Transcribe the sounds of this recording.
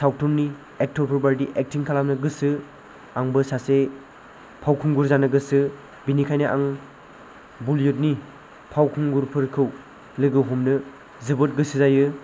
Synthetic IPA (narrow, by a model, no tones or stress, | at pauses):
saw̚tʰɔɾni | ek̚tʰɔɾpʰɯɾbaɾdiʔek̚tʰiŋkʰalamnɯɡɯsɯ | aŋbɯsase | pʰawkʰuŋɡuɾzanɯɡɯsɯ | binikʰajnɯʔa̰ŋ | buljot̚ni | pʰawkʰuŋɡuɾpʰɯɾkʰɯw | lɯɡɯwɦumnɯ | zɯbɯt̚ɡɯsɯzajɯ